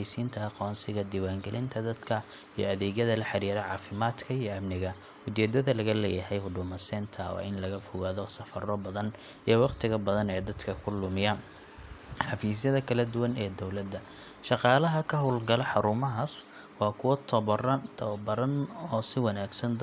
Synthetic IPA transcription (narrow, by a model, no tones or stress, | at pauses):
jsiːnt̪ʰɐɑqɔːnsɪɣɐd̪iːwaːŋɡɛlʔɪnt̪ʰɐd̪ɐd̪kʰɐ | ij̰ɐðɛːɣjɐðɐlɐħɑɾiːɾɐʕɑːfɪmaːd̪kʰɐijɞɐmnɪɣɐ | ʊt͡ʃɛːd̪ɐðɐlɐɣɐlɛ̰ːjɐhɛjhʊɖʊːmɐsɛːnt̪ʰɐwɑ̰ːʔɪnlɐɣɐfʊɣaːðɔsɐfɐrɔbɐðɐn | ʔiːwɑqt̪ʰɪɣɐbɐðɐnɛːd̪ɐd̪kʰɐkʰʊlʊmɪjɐ | ħɑfiːs̬jɐðɐkʰɐlɐd̪ʊwɐnɛːd̪ɔwlɐd̪ːɐ | ʃɑqɑːlɐɦɐkʰɐɦʊlɡɐlɛħɑɾuːmɐɦɐs | wɑːkʰʊwɔt̪ʰɐβɔrɐt̪ʰɐbɐɾɐnɔːsɪwɑnaːɡsɐnd̪